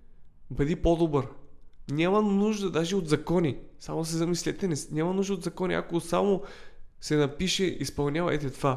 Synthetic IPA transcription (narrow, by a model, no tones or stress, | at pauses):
bɐd̪ipɔd̪obəɾnʲamɐnuʒd̪əd̪aʒɛod̪zɐkɔnisa̰mos̬ɛzɐmislɛt̪ɛnɛsnʲamɐnuʒd̪əotd̪zɐkɔnʲḭa̰kosamo | sɛnɐpiʃɛʔispɐlˠnʲjavɐ̰ɛt̪ɛt̪va